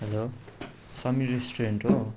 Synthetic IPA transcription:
ɦelo | sʌmiɾesʈoreɳʈo

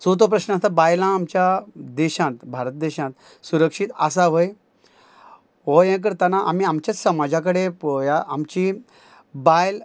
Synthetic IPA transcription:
sot̪op̬ɾəɕnəast̪abajlãːmt͡ɕjad̪ɛɕãt̪bʱaɾət̪̚d̪eɕãt̪ | suɾəkʂit̪asaʋoj | ʋɔjɛ̃k̬əɾt̪anaʔam̤iːamt͡ɕjasəmad͡ʑãk̬əɽeojaʔamt͡ɕi | bajl

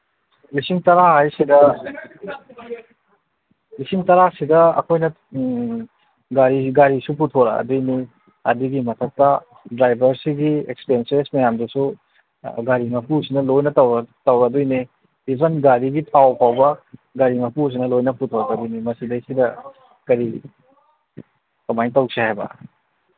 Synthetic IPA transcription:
lisiŋtɐɾaɦajsidɐ | lisiŋtɐɾasidɐɐ̰kʰojnɐ | ɡaɾiɡaɾisuputʰoɾɐ̰dujni | ɐ̰diɡimɐtʰɐk̚tɐ | dɾajbʱɐɾsiɡiḛkspensensmɐjamdusu | ɡaɾimɐpusinɐlojnɐtɐwtɐwɾɐdujni | ibʱɐnɡaɾiɡitʰawpʰawbɐɡaɾimɐpus̬inɐlojnɐputʰoɾɐkɐdujnimɐsidɐisidɐ | kɐɾi | tɐmajtɐwsʰiɦajbɐ̰

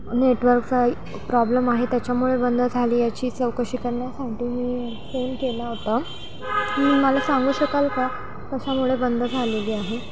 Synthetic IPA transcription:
neʈʋəɾkt͡sa | pɾɔbləmaɦet̪jat͡ɕjamuɭebənd̪ʱəd͡zʱaliːjat͡ɕiːt͡səwkəɕiːkəɾɳjasaʈiːmiː | fenkelaɦot̪a | miməlasaŋɡuːɕəkalka | k̪əɕamuɭebənd̪ʱəd͡zʱaleliːaɦe

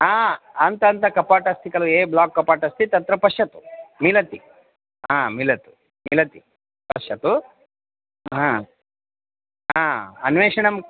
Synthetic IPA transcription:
ɦaːɐnt̪ɐnt̪ɐkɐpaːʈɐst̪ʰikɐlueːblaːkːɐpaːʈɐst̪ʰit̪ɐt̪ɾɐpɐʂjɐt̪u̥milɐt̪i | ɦãːmilɐt̪u̥ | milɐt̪i | pɐʂjɐt̪u | ãː | ɦaːɐnʋeːʂɐɳɐm

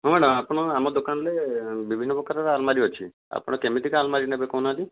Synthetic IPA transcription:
ɦõmɛɽɔmapɽ̃ɔamɔd̪okanlebibʱinːɔpɔkaɾaɾalmaɾiɦɔt͡ʃʰi | a̰pɔɽ̃ɔkemit̪ikalmaɾinebekɔnali

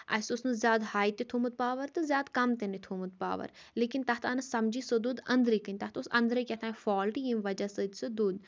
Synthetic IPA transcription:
ɐ̰sʊsnɨzʲjaːd̪haːjt̪et̪ʰuːmut̪̚paːʋɐɾt̪ɨzjaːd̪kɐmt̪enit̪ʰuːmut̪̚pa̰ːʋɐ̰ɾ | leːkint̪ɐːt̪ʰɐnɐsɐmd͡ʒisod̪uːd̪ɐ̃nd̪ɾikənʲt̪ɐt̪ʰːsɐ̃nd̪ɾɨkʲɛt̪ʰaːfɔːlʈijimʋɐd͡ʒasəd͡ʒsod̪uːd̪

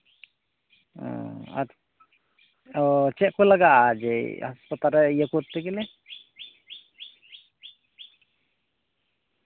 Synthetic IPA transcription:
ɔ̰̃a̰ɾ | ɔt͡ʃɛʔkɔlaɡaʔad͡ʒɛhaspat̪aɾɛjəkuɾt̪ːɛkɛlɛ

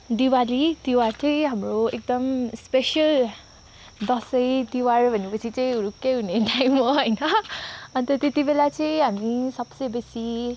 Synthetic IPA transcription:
d̪iwalid̪iwaɾt͡sãĩɦamɾoek̚d̪ʌmspeʃəl | d̪ɔsəjt̪iwarbʱʌnepət͡sʰit͡sãĩuɾukeɦuneʈajmʌɦʌjnʌant̪ɔt̪et̪ibelat͡sãjɦamisʌbsebesi

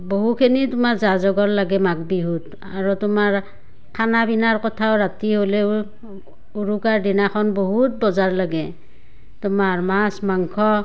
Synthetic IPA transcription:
boɦukʰenitʊmaɹzazɔɡɔɹlaɡɛmak̚biɦut | aɹɔtʊmaɹ | kʰanabinaɹkɔtʰaoɹatiɦolɛ | uɹukaɹdinakʰɔnboɦut̚bɔzaɹlaɡɛ | tʊmaɹmasmaŋkʰɔ

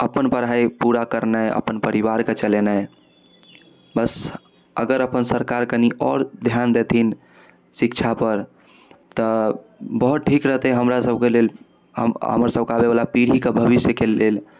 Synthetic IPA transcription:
əpənpəɾ̤aipuɾakəɾnaə̰pənpəɾiʋaɾket͡ʃəlenaj | bəs | əɡəɾəpənsəɾkaɾkəniʔɔɾd̪ʱjand̪et̪ʰin | sikt͡ʃʰapəɾ | t̪ɔ | bəɦut̪̚ʈʰikɾəɦt̪ɛɦəmɾasəb̚kelel | ə̰ɦə̰mɾsəb̚kabeβalapiɽ̤ikebʱəbisjəkelel

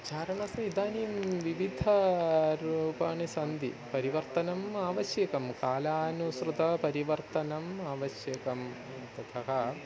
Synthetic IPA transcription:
t͡ʃaːɾɐɳɐsɐid̪aːniːmʋiʋid̪ʱɐɾuːpaːɳisɐnd̪ḭpɐɾiʋɐɾt̪ɐnɐmaːʋɐʃjɐkɐmkaːlaːnusɾɨt̪ɐpɐɾiʋɐɾt̪ɐnɐmaːʋɐsjɐkɐm | t̪ɐt̪ʰɐɦɐ

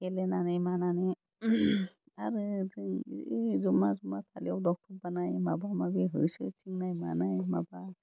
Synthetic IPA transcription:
kɛlɛnanajmananɛ | aɾɯ | zumazumapʰaliawdɔk̚tʰɔɾbanajmabamabiɦɯjsɯtʰiŋnajma̰najmaba

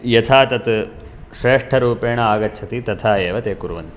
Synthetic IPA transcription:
jɐt̪ʰaːt̪ɐt̪ | ʃɾeːʂʈʰɐɾuːpeːɳɐaːɡɐt͡ʃʰɐt̪it̪ɐt̪ʰaːeːʋɐt̪eːkuɾuʋɐnt̪i

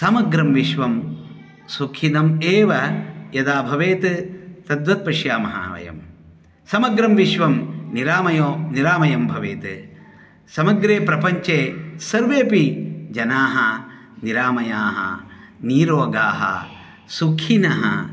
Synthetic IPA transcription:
sɐmɐɡɾɐmʋiʃʋɐm | sukʰinɐmeːʋɐjɐd̪aːbʱɐʋeːt̪ɨt̪ɐd̪ʋɐt̪̚pɐʃjaːmɐɦa̰ːʋɐ̰jɐ̰m | sɐmɐɡɾɐmʋiʃʋɐmniɾaːmɐjoːniɾaːmɐjɐmbʱɐʋeːt̪ɨ | sɐmɐɡɾeːpɾɐpɐɲt͡ʃeːsɐɾʋeːpid͡ʒɐnaːɦɐ | niɾaːmɐjaːɦɐ̰ | niːɾoːɡaːɦɐ̰ | sukʰinɐɦɐ̰

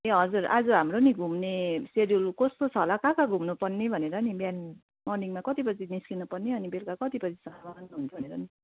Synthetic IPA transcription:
eɦʌd͡zuɾa̰d͡zʌɦamroniɡʱumneseɾijulkʌst̪ot͡sʰʌlakakaɡʱumnupʌrnibʱʌneɾʌnibjan | mʌrniŋmakʌt̪ipʌt͡sʰiniskinupʌrniʌnibelkakʌt̪ipʌt͡sʰi̥sʌmanɦunt͡sʰʌbʱʌneɾʌni

